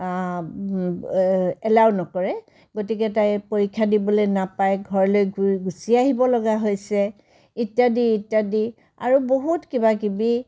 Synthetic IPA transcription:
ɛlawnɔkɔɹɛ | ɡotikɛtajpoɹikʰːjadibɔlojnapajɡʱɔɹɔlojɡɡusiaɦibɔlɔɡaɦojsɛ | itjadiːtːadi | a̰ɹuboɦutkibakibi

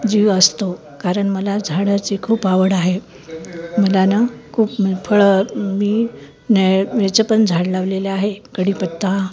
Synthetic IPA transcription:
d͡ʑiʋəst̪o | kaɾəɳməlad͡zʱaɽat͡sikʰuːpaʋəɽaɦe | məlanakʰuːpfʰəɭmiː | neʋet͡səpənd͡zʱaɽlaʋleleaɦekəɽiːpət̪ːa

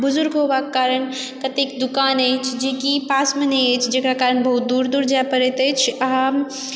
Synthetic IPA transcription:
bʊzʊɾɡɦobakkaːɾəɳ | kət̪ikd̪ukaːnəjt͡ʃʰd͡ʒikipaːsmenəjət͡ʃʰd͡ʒekɾakaːɾəɳbɐɦut̪̚d̪uːɾd̪uːɾd͡ʒajpəɾɛt̪ət͡ʃʰɐɦəm

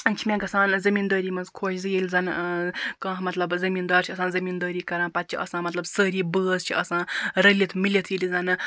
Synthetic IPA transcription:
t͡ʃʰimʲẽɡɐsãːnzɐmind̪əːɾiːmɐnzkʰoːt͡ʃʰzɨjelʲzɐnkɐ̃ːɦmɐt̪lɐbzɐmiːnd̪ɐːɾt͡ʃʰiɐsãːnzɐmiːnd̪əːɾiːkɐɾãːpɐt̪̚t͡ʃʰiʔɐ̰sãːmɐt̪lɐbsəːɾiːbəːzt͡ʃʰiɐsãːɾəlʲit̪ʰmilit̪ʰjilid͡zɐnɨ

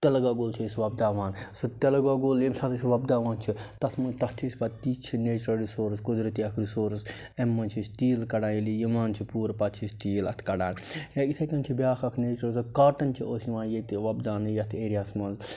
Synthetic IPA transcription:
t̪ɐlɐɡaːɡoːlt͡ʃʰiisʋɐb̚d̪aːʋaːnsut̪ɐlɐɡaːɡoːlemsɐt̪ʰɐsʋɐbd̪aːʋãːnt͡ʃʰit̪ɐt̪ʰmɐt̪ɐt̪ʰisbɐt̪ːiːt͡ʃʰineːt͡ʃɾɐlɾisoːɾskud̪ɾɐt̪iɐkʰɾisoːɾs | emːɐnt͡ʃʰist̪iːlkɐɽaːnjilijimaːnt͡ʃʰipuːɾpɐt͡ʃʰisʲt̪iːlɐ̰t̪ʰkɐɖaːnjɐit̪ʰɐkɐnt͡ʃʰibʲaːkʰɐkʰneːt͡ʃɐlsɐkaːʈɐnt͡ʃʰiʔoːsnʲʋãːnjet̪iʋɐbd̪aːnɨjɐt̪ʰeːɾijaːsmɐnz

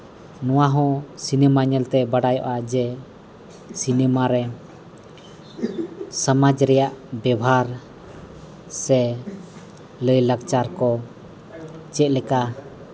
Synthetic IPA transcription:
nɔwaɦɔ̃sinɛmaɲɛlt̪ɛbaɖajɔ̰ʔad͡ʒɛ | sinɛmaɾɛ | səmad͡ʒɾɛjaʔbɛbaɾ | sɛ | ləjlaɡt͡ʃaɾkɔ | t͡ʃɛt̪̚lɛka

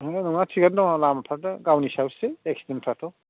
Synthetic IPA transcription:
nɔŋatʰiɡandawalamapʰadaɡawnisawseek̚sidenpʰatʰɔ

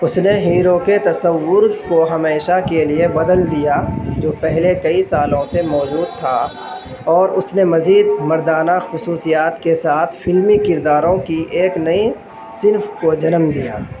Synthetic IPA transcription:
ʊsneɦiːɾoket̪ɐsəwːʊɾkoɦɐmeːʃakeliebɐd̪əld̪ijad͡ʒoːpɛɦlekɐisaːlõsemɔːd͡ʒuːd̪̚t̪ʰa | ɔːɾʊsnemɐziːd̪mɐɾd̪aːnaxʊsuːsijaːt̪kesaːt̪ʰfɪlmikɪɾd̪aːɾõkiʔeːknɐi | sɪnfkod͡ʒɐnmd̪ija̰ː

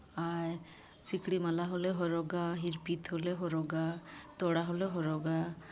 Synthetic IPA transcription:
aɾ | sikɽimalaɦoleɦɔɾɔɡaɦiɾpit̪ɦoleɦɔɾɔɡat̪ɔɽaɦoleɦɔɾɔɡa

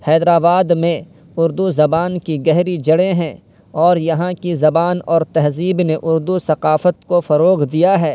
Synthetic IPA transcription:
hɛːd̪ɾaːbaːd̪mẽ | ʊɾd̪uzɐbaːnkiɡɛɦɾid͡ʒɐɽẽɦɛ̃ | ɔːɾjɐɦãkizɐbaːnɔːɾt̪ɛɦziːbneʔʊɾd̪usɐqaːfət̪kofɐɾoːqd̪ijaɦɛː

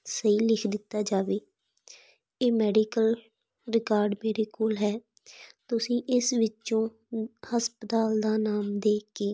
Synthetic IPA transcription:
səɦiːlɪkʰd̪ɪt̪ːaːd͡ʒaːʋeː | eːmɛːɖiːkəl | ɾɪkaːɾɖmeːɾeːkoːlɦɛː | t̪ʊsĩːʔɪsʋɪt͡ʃõː | həspət̪aːld̪aːnaːmd̪eːkeː

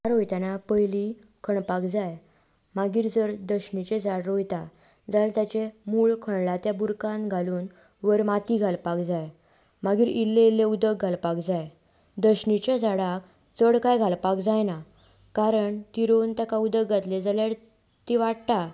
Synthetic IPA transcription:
aɾojt̪janapəjli | kʰəɳpakd͡zaj | maɡiːɾd͡zəɾd̪əɕɳit͡ɕẽd͡zaɽɾojt̪a | d͡zalt̪jat͡ɕemuɭkʰəɳlat̪jabuɾkãnɡʱaluːn | ʋəɾmat̪iːɡʱalpakd͡zaj | maɡiːɾilːelːeud̪əɡɡʱalpakd͡zaj | d̪əɕɳit͡ɕjad͡zaɽak | t͡səɽkajɡʱalpakd͡zajna | kaɾəɳt̪iɾont̪akaud̪əɡɡat̪led͡zaljaɾ | t̪iʋaɽt̪a

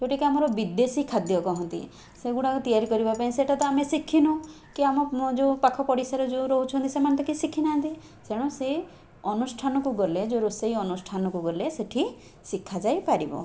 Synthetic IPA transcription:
koʈikiamɔɾɔbid̪esikʰad̪jɔkɔɦɔnt̪ḭ | seɡuɽ̃akut̪ijaɾikɔɾibapaĩseʈat̪ɔamesikʰinu | kiamɔd͡ʒopakʰɔpɔɽisaɾɔd͡ʒoɾɔɦut͡ʃʰɔɦɔnt̪isemannt̪ɔkisikʰinaɦnt̪i | seɽ̃ɔ̃se | ɔnusʈʰanɔkuɡɔled͡ʒoɾoseɦjɔnusʈʰanɔkuɡɔleseʈʰi | sikʰːad͡ʒajpaɾibɔ̰

